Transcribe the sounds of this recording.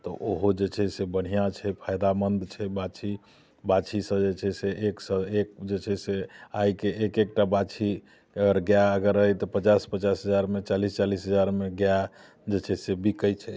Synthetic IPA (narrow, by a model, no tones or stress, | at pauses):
t̪ɔʔoɦod͡ʒet͡ʃʰɛsebəɽ̤ijat͡ʃʰɛpʰajd̪amənd̪t͡ʃʰɛbat͡ʃʰi | bat͡ʃʰisə̃d͡ʒet͡ʃʰɛseeksə̃ekd͡ʒet͡ʃʰɛseajkeːkek̚ʈabat͡ʃʰi | əɡəɾɡjaəɡəɾəɦɛt̪ɔpət͡ʃaspət͡ʃasɦəd͡ʒaɾmet͡ʃalist͡ʃalisɦəd͡ʒaɾmeɡja | d͡ʒet͡ʃʰɛsebʱikəjt͡ʃʰɛ